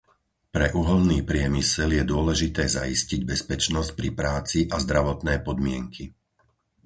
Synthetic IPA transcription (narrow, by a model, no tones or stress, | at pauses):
pɾɛʔuɦɔlniːpɾɪɛmisɛljɛd̪ʊɔlɛʒit̪ɛːza̰isciɟbɛspɛt͡ʃnɔsc̚pɾipɾaːt͡siʔazd̪ɾaʋɔt̪nɛːpɔd̪mɪɛŋkʰi